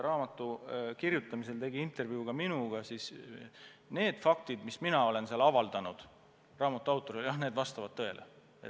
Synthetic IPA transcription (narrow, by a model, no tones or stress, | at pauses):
rɑːmɑt̪ːˑukirjut̪ːˑɑmise̞lt̪e̞ɡiint̪ˑe̞rvuuɡ̥ɑminuɡ̥ɑsis | ne̞ːd̪̥fɑk̚t̪id̪misminɑo̞le̞nseɑlɑvɑld̪̥ɑnud̪̥ | rɑːmɑt̪ːˑuɑwt̪ːˑo̞ɾiljɑhne̞ːd̪vɑst̪ɑvɑd̪̚t̪ɤe̞lʔe | e